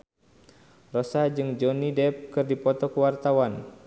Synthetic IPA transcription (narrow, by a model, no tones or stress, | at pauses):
rɔsad͡ʒɨŋd͡ʒɔnidɛp̚kɨrdipɔt̪ɔkuwart̪awan